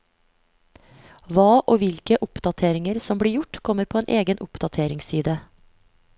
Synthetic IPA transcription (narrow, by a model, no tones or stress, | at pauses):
ʋɑːʔoːʋɪlkəʔʊpd̪ɑt̪ʰeːɾɪŋəɾsɔmbɽiːɾjʊʈkʰɔməɾpʰoːeːnʔeːɡənʔʊpd̪ɑt̪ʰeːɾɪŋsiːd̪ə